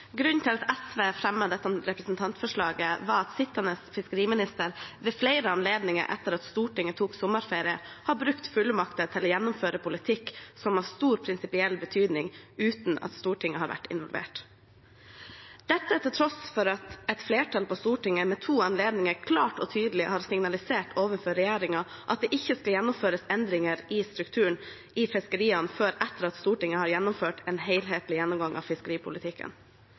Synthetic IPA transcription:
ɡɾʉnnt̪ʰɪlɑt̪ʰɛsʋeːfɾɛmːəd̪ɛt̪ːəʊmɾɛpɾəsnt̪ʰɑnt̪fɔʂɭɑːɡəʋɑɾɑt̪sɪt̪ːənəsfɪskəɾiːmɪnɪst̪əɾʋɛːflɛɪɾəɑnleːd̪nɪŋə̰ɾʔɛ̰t̪ːəɾɑt̪st̪uːʈɪŋːət̪ʰuːksʊmːəɾfeːɾɪə̰hɑbɾʉkt̪fʉlːmɑkt̪ət̪ʰɪlɔːjɛnːʊmføːɾəpʰʊlɪt̪ʰɪkːsɔmɑʋst̪uːɾpʰɾɪnsɪpɪɛlbət̪ʰyːd̪nɪŋʉːt̪nɑ̰t̪st̪uːʈʰɪŋːəɦɑːɾʋæ̰ʈːɪ̰nʋɔlʋḛːʈ | d̪̥ɛt̪ːəʈɪlt̪ʰɾɔsfɔɾɑt̪ɛt̪fleːʈʰɑlpʰɔst̪uːʈɪŋːəmɛt̪ʰuːɑnleːd̪nɪŋəɾkʰlɑːʈɔ̰t̪ʰyːd̪lɪhɑːɾsɪŋnɑlɪseːʈʰoːʋənfɔːɾɛjeːɾɪŋɑʔɑt̪̚d̪ɛʔɪçːəskɑljɛnːʊmføːɾəsɛnd̪ɾɪŋəɾɪst̪ɾʉkt̪ʰʉːəɳ | ʔɪfɪskəɾiːɑnføːɾɛt̪ːəɾɑt̪st̪uːʈɪŋːəhɑɾjɛnːʊmføːʈɛeːnɦeɪlɦeːt̪lɪjɛnːɔmɡɑŋʔɑ̰ʋfɪskəɾiːpʰʊlɪt̪ʰɪkːə̰n

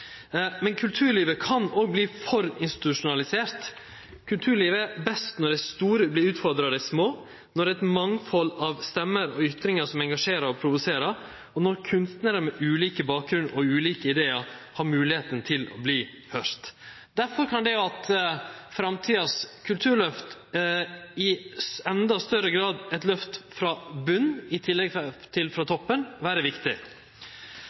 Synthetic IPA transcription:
mɛnkʰʉlt̪ʰʉːɾɭiːʋəkʰɑnɔɡ̚bliːfɔɾɪnst̪ɪ̥t̪ʉʂʊnɑlɪseːɾt̪ | kʰʉlt̪ʰʉːɾɭiːʋəɛbɛst̪nɔɖ̪ɛst̪uːɾəblɪʉːt̪fɔɾd̪ɾɑd̪ɛsmoː | nɔɾɛɪt̪mɑŋfɔlːɑʋst̪ɛmːəɾɔʏt̪ɾɪŋɑʂɔmɛŋɡɑʂeːɾəɾɔpʰɾʊʋʉseːɾɑɾ | ɔnɔɾkʰʉnst̪nəːd̪əɾmɛʔʉːliːkəbɑːk̚ɡɾʉnɔʉːliːkəɪd̪eːəhɑːɾmʉːlɪheːt̪ənt̪ʰɪlɔ̰bliː | hœst̪ | d̪æɾfɔɾkʰɑnd̪ɛɑt̪fɾɑmt̪ʰiːɑskʰʉlt̪ʰʉːɾɭœft̪ | ɪɛnd̪ɑst̪œɾəɡɾɑːd̪ɛt̪lœft̪fɾɑbʉnːɪt̪ʰɪlːɛɡt̪ʰɪlfɾɑt̪ʰɔpːənʋæːɾəʋɪkt̪ɪ

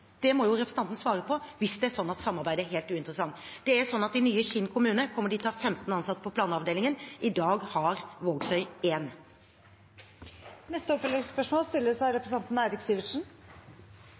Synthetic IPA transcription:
d̪̥ɛmɔjʊɾɛpɾsnɑnt̪nsʋɑːɾəpʰɔʋɪsd̪ɛæʂɔnːɑt̪sɑmːɑɾbæɪd̪əæɾɦeːlt̪ʉːɪnt̪ɾəsɑŋd̪̥ɛæɾʂɔnːɑt̪̚d̪ɪnyːəçɪnkʰʊmʉːnəkʰɔmːəɖɪt̪ʰɑːfɛmt̪n̩ɑnsɑt̪ːpʰɔpʰlɑːnɑʋd̪eːlɪŋənʔɪd̪ɑːɡhɑɾʋoːɡsœʏeːn | nɛst̪əɔpfɛlɪspœʂmoːlst̪ɪlːəsæɪɾɛpɾəs̩ɑnt̪n̩æɪɾɪksiːʋɪʂn̩

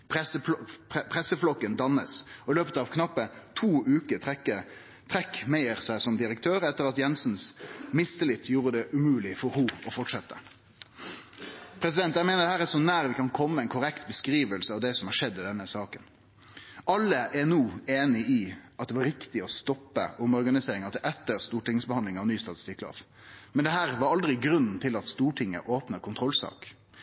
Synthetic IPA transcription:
pɛsəpʰʁɛsəflɔkːənd̪ɑnəsɔɪløːpət̪ɑʋkʰnɑpːət̪ʰuːʔʉːkəə | t̪ʰɾɛkːmæɪəɾsæɪsɔmd̪ɪɾəkt̪ʰøːɾɛt̪ːəɾɑt̪jɛnsnsmɪst̪əlɪt̪ʰjuːɾəd̪ɛʔʉmʉːlɪfɔɾhʊɔfɔʈʂɛt̪ːə | pʰɾɛsɪd̪ɛnt̪jæɪmeːnəd̪ɛhæːɾɛʂɔnæːɾʋɪkʰɑnkʰɔmːəɛɪnkʰʊɾɛkt̪bəskɾiːʋəlsəɑʋd̪ɛsɔmhɑʂɛd̪ːɪd̪ɛnːəsɑːkən | ʔɑlːəʔɛnuːeːnɪʔiʔɑt̪d̪ɛʋɑɾɪkt̪ɪɔst̪ɔpːə̰ʔʊmɔɾɡɑnɪseːɾɪŋɑt̪ɛʔɛt̪ːəɾst̪uːʈɪŋːəsbəhɑnd̪lɪŋɑʋnyːst̪ɑt̪ɪ̥st̪ɪkːlɑ̰ːf | mɛnd̪ɛɦæːʁʋɑɾɑld̪ɾɪɡɾʉnn̩t̪ʰɪlɑt̪st̪uːʈʰɪŋːə̰ʔoːpnəkʰʊnt̪ɾʁɔlsɑ̰ːk

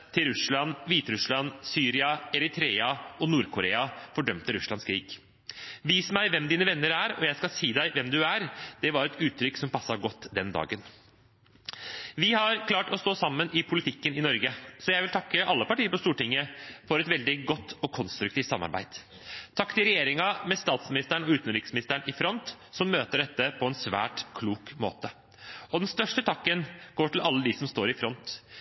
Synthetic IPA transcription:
t̪ʰɪlɾʉsɭɑnːʋiːt̪ɾʉslɑnːsyːɾɪɑɛɾɪt̪ʰɾeːɑɔnuːɾkʰʊɾḛːɑfɔɖœmt̪əɾʉslɑnskʰɾiːɡ | ʋiːsmæɪʋɛmd̪iːnəʋɛnːəɾæɾɔ̰jæɪskɑsiːd̪æɪʋɛmd̪ʉæɾd̪̥ɛʋɑɾɛt̪ʉːt̪ʰɾʏkːsɔmpɑsːɑɡɔt̪ːd̪ɛnd̪ɑ̰ːɡən | ʋɪhɑɾkʰlɑːʈɔst̪oːsɑmːənʔɪpʰʊlɪt̪ʰɪkːənɪnɔɾɡəsɔjæɪʋɪlt̪ʰɑkːəʔɑlːəpɑʈiːəpɔst̪uːʈɪŋːəfɔɾɛt̪ʋɛld̪ɪɡɔt̪ːɔkʰɔnst̪ɾʉk̚t̪iːft̪sɑmːɑ̰ɾbæ̰ɪd̪̥ | t̪ʰɑkːt̪ɪlɾɛjeːɾɪŋɑmɛst̪ɑːt̪smɪnɪst̪æɳɔʉːt̪nɾɪksmɪnɪst̪æɳɪfɾɔnt̪ | sɔmːøːt̪əɖɛt̪ːəpʰɔɛnsʋæ̰ːʈkʰluːkmo̰ːt̪ə | ɔd̪ɛnst̪œʂʈət̪ʰɑkːənɡ̥oːʈɪlɑlːəd̪isɔmst̪oːɾɪfɾɔnt̪

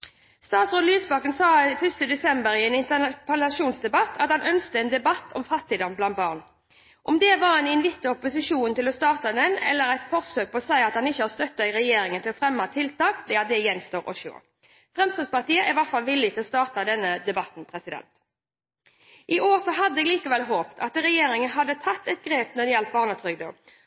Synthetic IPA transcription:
st̪ɑːt̪sʁoːd̪lyːsbɑkənsɑːfʉst̪əd̪ɛsɛmbəɾɪɛnɪnt̪ənɑpʰɑlɑʂuːnsd̪ɛbɑt̪ʰːɑ̰t̪hɑnœnskt̪əɛnd̪ɛbɑt̪ʰːɔmfɑt̪ːiːd̪ɑnblɑnt̪̚bɑːʁn | ʔɔmd̪ɛʋɑʁɛnɪɛnʋɪt̪ːəɔpʊsɪʂuːnt̪ɪlɔst̪ɑːʁt̪ɑd̪ɛnɛ̰lːəɾæɪt̪fɔʁsøːk̚pʰɔɔsæɪɑt̪hɑnɪçːəhɑːst̪œt̪ːɑɪʁɛjeːɾɪŋənt̪ɪlɔfʁɛmːɑt̪ʰɪlt̪ɑːkd̪ɛɑt̪̚d̪ɛjɛnst̪oːʁɔ̰ʃo̰ː | fʁɛmst̪ɑːspɑʁt̪iːəɪʋæʁt̪fɑlʋɪlːɪt̪ɪlɔst̪ɑːʁt̪ɑd̪ɛnːəd̪ɛbɑt̪n̩pʰʁɛsɪd̪ɛ̰nt̪ | ʔɪʔoːɾsɔɦɑd̪ːəɛɡliːkəʋɛlɦoːpt̪ʰɑt̪ɾɛjeːɾɪŋənɦɑd̪ːət̪ʰɑt̪ːɛt̪̚ɡɾeːpnɔd̪ɛjɛlt̪̚bɑːʁnɑt̪ʰɾʏɡd̪o̰ː

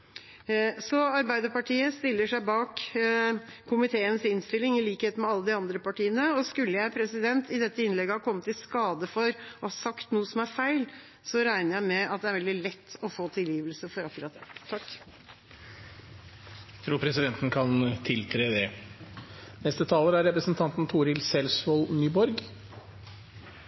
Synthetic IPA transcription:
sɔɑɾbæɪd̪əɾpɑʈʰiːəst̪ɪlːəʂæɪbɑːk | kʰʊmɪt̪ʰeːənsɪnst̪ɪlːɪŋɪliːkheːt̪mɛɑlːəd̪ɪɑnd̪ɾəpɑʈiːənəɔskʉlːəjæɪpʰɾɛsɪd̪ɛnt̪ʰɪd̪ɛt̪ːəɪnlɛɡːəhɑːkʰɔmːət̪ːɪskɑːd̪əfɔɾɔhɑsɑkt̪nuːəsɔmæɾfæɪl | sɔɾæɪnəɾjæɪmɛɑt̪̚d̪ɛæɾʋɛld̪ɪlɛt̪ːɔfoːt̪ʰɪljiːʋəlsəfɔɾɑkːʉɾɑt̪̚d̪ɛt̪ʰɑkː | t̪ʰɾuːɾpʰɾɛsɪd̪ɛnt̪n̩kʰɑnt̪ʰɪlt̪ʰɾeːd̪ɛ | nɛst̪ət̪ʰɑːləɾæɾɛpɾəsənt̪ʰɑnt̪n̩t̪ʰuːɾɪlsɛlsʋolnyːbɔɾɡ

